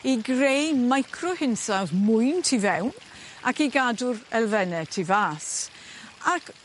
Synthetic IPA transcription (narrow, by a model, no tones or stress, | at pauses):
iɡrejmajkʰrɔhɪnsawθmʊɨntʰivɛwn | a̰kiɡadʊɾɛlˠvɛnɛtʰivaːs | ak